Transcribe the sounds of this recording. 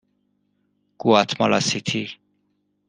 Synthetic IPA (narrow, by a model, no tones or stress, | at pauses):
kuat̪ʰmɔlasit̪ʰi